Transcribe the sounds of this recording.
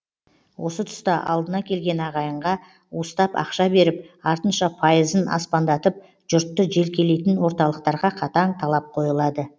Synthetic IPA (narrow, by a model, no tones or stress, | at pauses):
wʔo̞sət̪ʰʏ̥st̪əʔɑ̰lˠd̪ənɑkʲʰe̞lɡʲe̞nɑʁɑjəɴʁɑ | wost̪ɑpɑ̰qʃɑbe̞ɾɪp̚ɑɾt̪ənʃɑpʰɑjəzənɑ̰spɑnd̪ɑt̪əp̚ | ʒ̥ʊɾt̪ːəʒe̞lkʲʰe̞le̞jt̪ɪnwo̞ɾt̪ɑlˠəq̚t̪ɑɾʁɑqʰɑt̪ɑɴt̪ʰɑlˠɑp̚qʰo̞jəlˠɑd̪ə